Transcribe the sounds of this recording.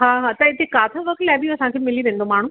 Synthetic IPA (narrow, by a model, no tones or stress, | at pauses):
ɦaːɦaːt̪ɐɪt̪ekaːt̪ʰəʋɐk̚t̪laːbiɐsãkʰemɪliɾẽːn̆d̪omaːɳ̤ũ